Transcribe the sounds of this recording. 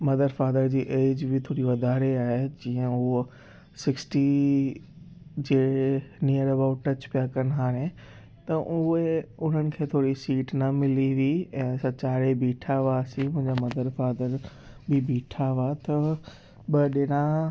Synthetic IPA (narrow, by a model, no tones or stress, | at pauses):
mɐd̪əɾfaːd̪əɾd͡ʑiːʔeːd͡ʑbɪt̪ʰoːɽiʋɐd̪ʱaːɾeaːɦed͡ʑĩːə̃ʊo | sɪksʈi | d͡ʑeːnijəɾɐbaːʊʈʈːɐt͡ɕpijakɐnɦaːɾẽ | t̪ɐʔʊeʊn̤ənɪ̆kʰeːt̪ʰoːɽisiːʈnɐmɪliʋiɛ̃ːsɐt͡ɕaːɾebʱiːʈʰaʋasiʊ̃ɦɪ̃ɲd͡ʑamɐd̪əɾfaːd̪əɾ | bɪbʱiːʈʰaʋat̪ɐ | bɐɗɪnã